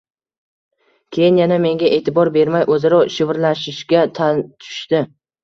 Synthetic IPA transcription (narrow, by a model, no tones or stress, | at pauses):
kʲʰe̞jɪnjaname̞ŋɡʲaʔe̞ːt̪ʰɪbɒɾbe̞ɾmajʔɵzɪɾɒʃɪvɾlaʃɪʃɡʲat̪ʰat̪ʰʊ̥ʃt̪ɪ